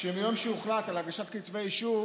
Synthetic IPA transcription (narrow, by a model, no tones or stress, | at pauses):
ʃemijomʃeuχlat̪alaɡaʃat̪kit̪vejiʃu